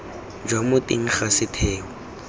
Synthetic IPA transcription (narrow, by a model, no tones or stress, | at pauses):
d͡ʒwamʊtḭŋ̩χasɪtʰɛːɔ